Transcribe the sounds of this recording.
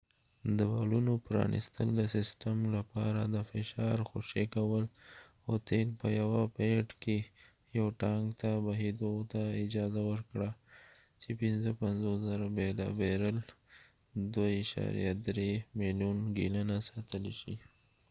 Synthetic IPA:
d̪əwalunopɾɑ̰nḭst̪əld̪əsɪsʈəmlapɑɾad̪əfɪʃɑɾxoʃekawəl | at̪elpəjawapeʈke | jawʈɑŋɡt̪abaɦid̪ot̪aɪd͡ʒɑzawəɾkɽa | t͡ʃepɪnzəpanzoszaɾabelɑ̰beɾəl | d̪waiʃɑ̰ɾḭja̰d̪ɾemiljunɡḭlənasɑt̪əleʃi

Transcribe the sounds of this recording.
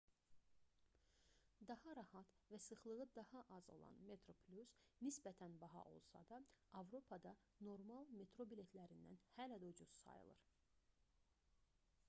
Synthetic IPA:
d̪ɑhɑɾɑhɑt̪ | væsɯχlˠɯʁɯd̪ɑhɑʔɑzo̞̰lˠɑ̰nme̞t̪ʰɾo̞pʰlʲusnisbæt̪ʰænbɑɦɑ̰ʔo̞̰lˠsɑ̰d̪ɑɑvɾo̞pʰɑd̪ɑ | no̞ɾmɑlˠme̞t̪ʰɾobile̞t̪ʰlæɾind̪æ̰nhælæd̪ud͡ʒuzsɑ̰jɯ̰lˠɯ̰ɾ

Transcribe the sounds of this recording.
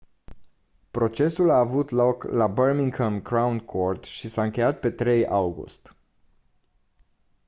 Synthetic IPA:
pɾo̞t͡ʃe̞sulaːvut̪lo̞klabərmiŋkʰəmkɾawnkʰo̞rt̪ʃisaɨŋkʲe̞jat̪̚pe̞t̪ɾe̞jawɡṵst̪

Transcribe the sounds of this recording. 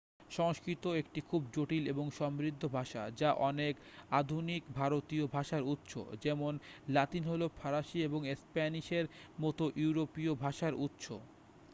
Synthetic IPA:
ʃɔŋʃkɾit̪oekʈikʰub̚d͡ʑoʈileboŋʃɔmɾid̪ʱːobʱaʃa̰d͡ʑaʔɔnek | ad̪ʱunikbʱaɾot̪iobʱaʃaɾut̪ːʃʰo̰d͡ʑɛmonlat̪inɦolopʰaɾaʃieboŋespaniʃeɾmɔt̪oʔjuuɾopiobʱaʃaɾut̪ːʃo̰

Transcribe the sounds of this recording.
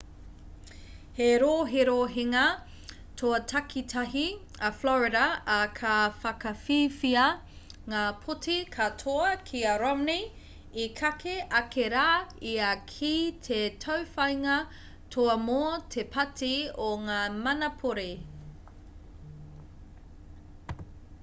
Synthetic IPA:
heɾoːɦeɾoːɦeŋɐ | tʰoɐtʰɐkʰitʰɐɦi | ɐflɔɹiɾɐːkʰɐfɐkɐfiːfiɐ | ŋaːpʰotʰikʰɐtʰoɐkʰiɐɾamni | ikʰɐkʰeʔɐkʰeɾaːiɐkʰitʰetʰɐwfɐjŋɐ | tʰoɐmoːtʰepʰɐtʰioŋaːmɐnɐpʰoɾe

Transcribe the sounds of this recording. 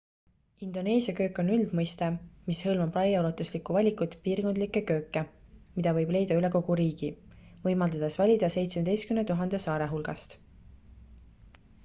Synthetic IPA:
ind̪̥o̞ne̞ːsiɑkø̞ːkːˑo̞nyld̪̥mɤjst̪emishɤlmɑbrɑjɑolɑt̪ːˑuslikˑuvɑlʲikːˑut̪ːˑpiːrɡ̥o̞nd̪likːˑe̞kø̞ːkːˑe̞mid̪̥ɑvɤ̞jb̥le̞jd̪̥ɑyleko̞ɡ̥uɾiːɡ̥i | vɤ̞jmɑld̪ɑd̪̥e̞svɑlʲid̪̥ɑse̞jt̪smed̪e̞jst̪kymnet̪uɦɑnd̪̥e̞sɑːɾe̞ɦulɡ̥ɑst̪

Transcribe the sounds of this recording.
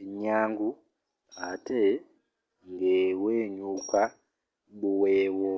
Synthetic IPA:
ɲaŋɡu | ɦatʰe | ŋɡeweɲuka | ɓuwewɔ

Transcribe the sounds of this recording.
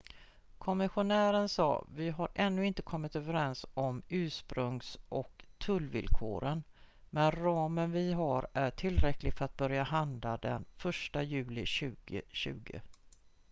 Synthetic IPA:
kʰɔmɪɧʊnæːɾənsɑ̰ːvɪɦaɾʔɛnːɵɪnt̪əkʰɔmːɪt̪øːvəɾɛnsɔmʉ̟ːʂpɾɵŋsʔɔkt̪ʰɵlːvɪ̰lkʰo̰ːɾənmɛnɾɑːmənvɪɦaɾæʈʰɪlɾɛklɪɡfœɾat̪̚bœɾjaɦand̪lad̪ɛ̰nfœʂʈajʉ̟ːlɪɕʉ̟ːɡə̰ɕʉ̟̰ːɡə̰

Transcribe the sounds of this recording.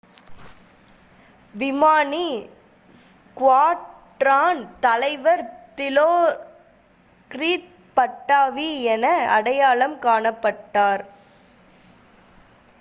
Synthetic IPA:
ʋɪmaːni | skʋaːʈɾaːnt̪ɐlɐɪʋɐɾt̪ɪloː | kɾiːt̪̚ | pɐʈːaːʋiɛnɐɐɽɐjaːɭɐmkaːɳɐpːɐʈːaːɾ

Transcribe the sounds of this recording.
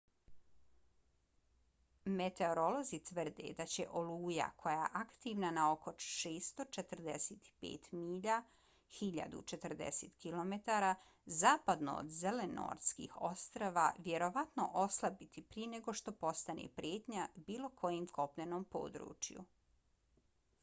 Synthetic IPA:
met̪e̞oɾo̞lo̞zit̪ʋər̩d̪ḛd̪at͡ɕe̞̰ʔo̞luːja̰kʰo̞jaʔakt̪iʋnanao̞ko̞ʃeːst̪o̞t͡ʃe̞t̪rd̪eseːt̪i̥pḛːt̪miːʎa | xiʎa̰d̪ṵt͡ʃe̞t̪r̩d̪ḛseːt̪kilo̞met̪aɾa | zaːpad̪no̰o̰d̪zeleno̰ɾskḭːxo̞st̪ɾaʋaʋje̞ɾo̞ʋat̪no̞ʔo̞slˠabit̪ipɾijene̞ɡo̞ʃt̪o̞po̞st̪anḛpɾjeːt̪ɲabiːlˠo̞kʰo̞jimkʰo̞pʎenoːmpo̞̰ːd̪ɾṵːt͡ʃjṵ

